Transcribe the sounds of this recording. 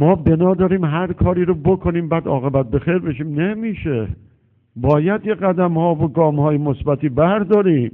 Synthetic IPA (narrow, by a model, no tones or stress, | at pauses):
mɒːbe̞nɒːd̪ɒːɾiːmɦæɾkʰɒːɾiːɾobokʰoniːmbæːd̪ɒ̰ːɣe̞bæt̪̚be̞xeɾbe̞ʃiːmnemiːʃe̞ | bɒːjæd̪jeɣæd̪æmhɒːvoɡɒːmhɒːjemosbæt̪ʰiːbæɾd̪ɒːɾiːm